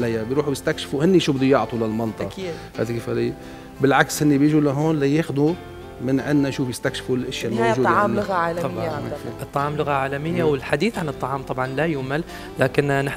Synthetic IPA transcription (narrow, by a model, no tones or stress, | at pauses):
lajːabjɾuːħubjɪst̪akʃɪ̥fuhɪnːiʃuːbɪd̪ujʊʕt̪ˤulalmɑnt̪ˤɑʔid̪ha̰ːd̪akeːfa̰li | bɪlʕakshɪnːibjɪʒulaɦoːnlajeːxd̪u | mɪnʕɪnːaʃuːfjɪst̪akʃɪ̥fulʔɪʃjalmaʒuːd̪ːʕɑːmlʊɣaʕaːlbɪaʔɨt̪ˤːɑʕɑːmlʊɣaʕaːlamɪjːawɪlħad̪iːθʕanɨt̪ˤːɑʕɑːmt̪ˤɑbʕɑnlajʊmal | laːkɪnnɪħ